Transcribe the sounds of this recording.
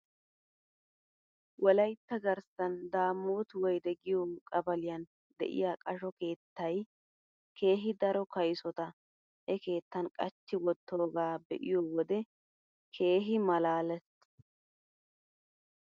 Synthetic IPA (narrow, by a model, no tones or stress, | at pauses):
wɔlɐjt̪ːɐɡɐɾsɐnd̪aːmoːt̪ʊwɔjd̪ɛɡɪjokʼɐbɐlɪjɐn | d̪ɛ̰ʔɪ̰jaːkʼɐʃɔke̞ːt̪ːɐj | kʰe̞ːɦɪd̪ɐɾɔkɐjsɔt̪ɐ | hɛke̞ːt̪ːɐnkʼɐt͡ʃːɪwɔt̪ːo̞ːɡaːbɛ̰ʔɪjowɔd̪ɛ | kʰe̞ːɦɪmɐlaːlɛs